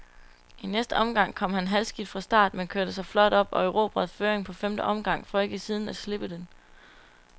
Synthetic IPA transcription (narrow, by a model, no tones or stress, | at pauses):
inesd̥əɒ̽mɡ̥ɑ̈ŋ̰kʰɒ̽m̰ɦænɦælsɡ̥id̥fʁɑ̈sd̥ɑ̰̈ːd̥menkʰøɐ̰ɾ̥əsɑ̈ɪflɒ̽d̥ɒ̽b̥ɒ̽øʊʁo̝̰ːb̥ʁɑðˠføːɐeŋpʰɒ̽femd̥əʔɒ̽mɡ̥ɑ̈ŋ̰fɒ̽e̝ɡ̥əsiːð̞ˠn̩æsle̝b̥əd̥en